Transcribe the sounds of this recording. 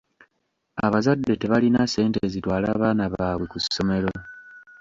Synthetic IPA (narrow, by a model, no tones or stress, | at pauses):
aβazadːe̞te̞βalinase̞ːnteːzitwaːlaːβaːnaβaːβwe̞kusːo̞me̞lo̞